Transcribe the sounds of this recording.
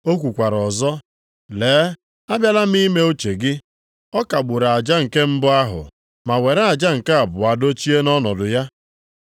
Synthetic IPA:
o˦kʷu˨kʷa˨ɾɔ˨zɔ˦ | leː˨˦ | a˦bja˦la˦m̩˦i˦me˦o˦t͡ʃe˨ɡɪ˦ | ɔ˦ka˨ɡ͡bʊ˨ɾa˨a˨d͡ʒa˦ŋ̩˨ke˦m̩˦bʊ˦a˦ɦʊ̰˨ | ma˨we˨ɾa˦a˨d͡ʒa˦ŋ̩˨ka˦a˨bʊ˨a˨do˦t͡ʃi˦e˦nɔ˦nɔ˨dʊ˨ja˦

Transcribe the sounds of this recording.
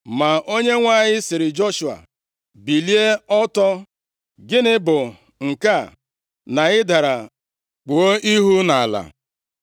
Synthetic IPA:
ma˨o˦ɲe˦ŋʷa˦˨ɲɪ˦sɪ˨ɾɪ˨d͡ʒo˦ʃu˨a̰˨ | bi˨li˦e˦ɔ˦tɔ˦ | ɡɪ˦nɪ˦bʊ˨ | ŋ̩˨ka˦˨ | na˨ɪ˦da˨ɾa˨ | k͡pu˨o˦i˦ɦu˦na˨la̰˨

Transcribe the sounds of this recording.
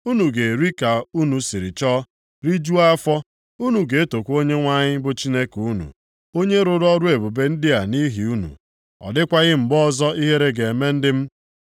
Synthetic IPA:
u˦nu˨ɡe˨ɾi˦ka˨u˦nu˨si˨ɾɪ˨t͡ʃɔ˦ | ɾi˦d͡ʒu˦a˦fɔ˦ | u˦nu˨ɡe˨e˦to˨kʷo˦ɲe˦ŋʷa˦ɲɪ˦bʊ˦t͡ʃi˦ne˦ku˦nṵ˨ | o˦ɲe˦ɾʊ˨ɾɔ˦ɾʊ˦e˨bu˨be˦n̩˦dɪ˦a˨ni˦ɦi˨u˦nṵ˨ | ɔ̰˨dɪ˦kʷa˦ɣɪ˦m̩˨bɔ˦zɔ˦i˦ɦe˦ɾe˦ɡe˨e˨me˦n̩˦dɪ˦m̩˦

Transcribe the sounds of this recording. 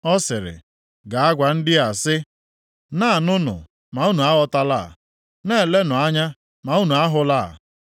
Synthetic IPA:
ɔ˦sɪ˨ɾɪ̰˨ | ɡa˨a˦ɡʷa˨n̩˦dɪ˦a˨sɪ˦ | na˦˨nʊ˦nʊ̰˨ | ma˨u˦nu˨a˦ɣɔ˦ta˦la̰˦˨ | ne˦˨le˦nʊ˨a˦ɲa˦ | ma˨u˦nu˨a˦ɦʊ˦la̰˦˨

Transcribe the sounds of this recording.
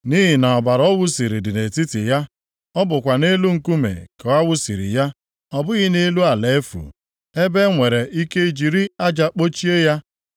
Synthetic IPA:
ni˦ɦi˨na˨ɔ˨ba˨ɾɔ˦wʊ˦si˨ɾi˨dɪ˨ne˨ti˦ti˨ja˦ | ɔ˦bʊ˨kʷa˨ne˦lu˦ŋ̩˨ku˦mḛ˨ke˨a˦wʊ˦sḭ˨ɾḭ˨ja˦ | ɔ˨bʊ˦ɣɪ˦ne˦lu˦a˨le˨˦fṵ˨ | e˦be˦ŋʷe˨ɾe˨ʔi˦ke˦i˦d͡ʒi˨ɾi˦a˦d͡ʒa˨k͡po˦t͡ʃi˦e˦ja˦

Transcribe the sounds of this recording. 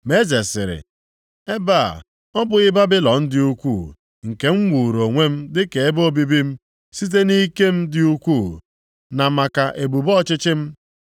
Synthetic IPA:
me˦ze˨sɪ̰˨ɾɪ̰˨ | e˦ba̰˦˨ | ɔ˦bʊ˨ɪ˦ba˦bɪ˦lɔ˨n̩˦dɪ˦u˦kʷu˦˨ | ŋ̩˨ke˨˦ŋ͡m̩˦wʷu˨ɾo˨ŋʷe˦m̩˦dɪ˦ke˨e˦bo˦bi˦bi˦m̩˦ | si˦t̬e˦ni˦ke˦m̩˦dɪ˦u˦kʷuː˦˨ | na˨ma˨ka˨ʔe˨bu˨bɔ˦˨t͡ʃɪ˦t͡ʃɪ˦m̩˦

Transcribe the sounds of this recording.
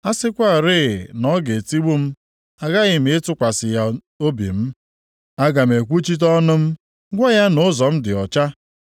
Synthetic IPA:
a˦sɪ˦kʷa˦˨ɾɪː˦˨nɔ˦ɡe˨ti˦ɡ͡bu˦m̩˦ | a˦ɣa˦ɣɪ˨m̩e˦tʊ˦kʷa˨sɪ˨ja˨ | o˦bḭ˨m̩˦ | a˦ɡa˨m̩e˨kʷu˦t͡ʃi˦t̬ɔ˦nʊ˦m̩˦ | ɡʷa˦ja˦nʊ˨ʊ˦zɔ˨m̩˦dɪ˨ɔ˨t͡ʃa˦

